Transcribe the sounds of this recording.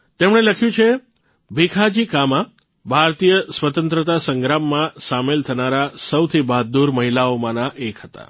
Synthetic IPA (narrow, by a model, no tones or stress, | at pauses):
t̪emɽ̃eləkʰjũt͡ʃʰe | bʱikʰad͡ʒikamã | bʱaɾt̪ijəsʋət̪ənt̪ɾət̪asəŋɡɾamːãsamelt̪ʰənaɾasəwt̪ʰibʱaɦd̪̚d̪uɾməɦilaomãnaʔekɦət̪a̰